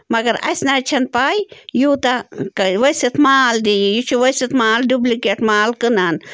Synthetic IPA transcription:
mɐɡɐɾɐ̰snaːt͡ʃʰɐnpaːjjuːt̪akɐʋɐjsit̪ʰmaːld̪ijjut͡ʃʰuʋɐjsit̪maːlɖublikeʈmaːlkɨnan

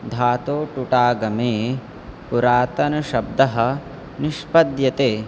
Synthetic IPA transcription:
d̪ʱaːt̪oːʈuʈaːɡɐmeː | puɾaːt̪ɐnɐʃɐb̚d̪ɐɦɐ̆ | niʃpɐd̪jɐt̪eː

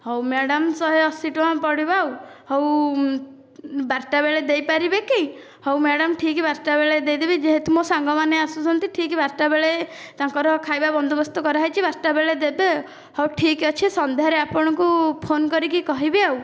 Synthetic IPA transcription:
hɔwmeɽɔmsɔɦeɔsiʈuãpɔɽibawhɔw | baɾʈabeɭed̪ejpaɾibeki | hɔwmeɽɔmʈʰikibaɾʈabeɭed̪ejd̪ebid͡ʒeɦet̪umosaŋɡɔmaneasusʰɔnt̪iʈʰikibaɾʈabeɭe | t̪aŋkɔɾɔkʰajbabɔnd̪ʱɔbɔst̪ɔkɔɾaɦajt͡ʃʰibaɾʈabeɭed̪ebe | hɔwʈʰikɔt͡ʃʰisɔnd̪eaɾeapɔɽ̃ɔkupʰonkɔɾikikɔɦibeaw

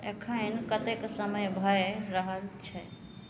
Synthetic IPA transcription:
ekʰə̃nkət̪eksəməjbʱəjɾəɦəlt͡ʃʰɛ

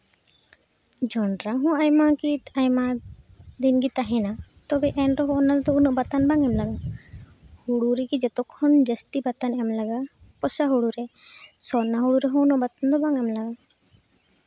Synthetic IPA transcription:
d͡ʒɔnɾaɦɔ̃ajmakit̪ajma | d̪inɡit̪aɦɛ̃nat̪ɔbɛʔɛnɾɔɦɔ̃ːnad̪ɔunɔʔbat̪anbaŋɛmlaɡa | huɽuɾɛkid͡ʒɛt̪ɔkhɔnd͡ʒəst̪ibat̪anɛmlaɡa | pɔsaɦuɽuɾɛsɔnaɦuɽuɾɛɦɔ̃unɔʔbat̪and̪ɔbaŋɛmlaɡa

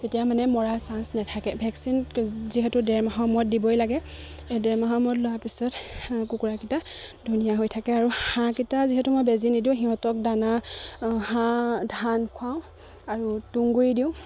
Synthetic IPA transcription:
tetijamanɛmɔɹasansnɛtʰakɛbʱɛksinziɦɛtʊdɛɹmaɦɔmɔt̚dibɔjlaɡɛ | dɛɹmaɦɔmɔtlowapisɔtkukuɹakita | dʱunijaɦojtʰakɛaɹuhãkitaziɦɛtumojbezinidiʊ̃ɦiɦɔtɔk̚dana | hãdʱankʰwaʊ̃ | aɹutuŋɡuɹidiʊ̃

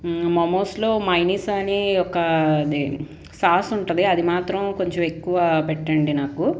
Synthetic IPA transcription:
mɐmoːslo̞ːmɐjniːsaːniɔkːɐd̪i | saːsuɳʈund̪iɐd̪imaːt̪ɾɐmko̞ɲt͡ʃomekːuʋapeʈːɐɳɖinaːku

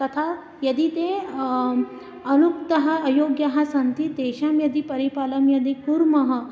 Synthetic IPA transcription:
t̪ɐt̪ʰa | jɐd̪it̪e | ɐnuk̚t̪ɐɦɐ̆ɐjoːɡjɐɦɐsɐnt̪it̪eːʃamjɐd̪ipɐɾipaːlɐmjɐd̪ikuɾmɐɦɐ̆

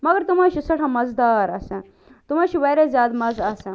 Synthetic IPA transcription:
məɡəɾt̪um̤aɕisɐʈʰãmɐd͡zd̪aɾə̰sɛ̃ | t̪um̤aɕiʋəjɾezjad̪mɐd͡zəsɛ̃

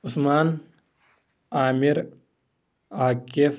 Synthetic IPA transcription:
usmaːn | aːmiɾ | aːkif

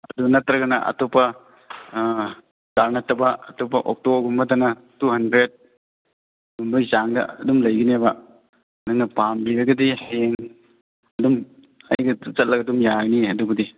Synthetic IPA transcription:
ɐduɡnɐtɾɐɡɐnɐʔɐ̰tɔpɐ | taɾnɐtʰɐbɐɐtɔpɐʔɔk̚tɔbɐɾɡumbɐtanɐtuɦɐndɾet̚ | dumbajzaŋdɐ̰ɐdumlɐjɡinebɐ | nɐŋnɐpambiɾɐɡɐdiheŋ | ɐdum | ɐjɡɐt͡ʃɐt̚lɐɡaɐdumjaɡniɐduɡɐdi

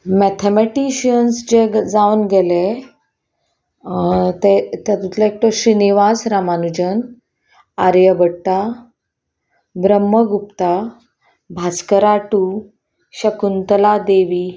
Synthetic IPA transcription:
mɛt̪ʰemɛʈiɕiənsd͡ʑed͡zaunɡɛle | t̪et̪jat̪ut̪laek̚ʈ̪oɕɾiniʋasɾamanud͡ʑən | aɾjəbəɽʈa | bɾəmːəɡupt̪a | bʱat͡skəɾaʈu | ɕəkunt̪əlad̪eʋi

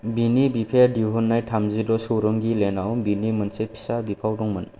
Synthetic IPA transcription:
binibipʰejadiɦɔnːajtʰamzidɔsɯwɾɔŋɡilenawnbinimɐnsepʰi̥sabipʰawdɔŋmɯn

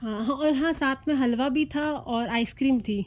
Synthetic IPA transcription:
ɦãːɦãɔjɐɦãsaːt̪ʰmẽɦɐlʋabʱit̪ʰaɔːɾaːɪskɾiːmt̪ʰiː

